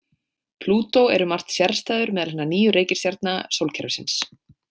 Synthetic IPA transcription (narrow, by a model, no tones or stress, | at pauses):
pʰluːt̪owɛɾʏmar̥t̪sjaɾ̥st̪aːjðʏɾmɛːðalhɛnːaniːjʏɾeːjcɪ̥ɾ̥st̪jaɾt̪̚nasoːwlcʰɛɾvʏsɪns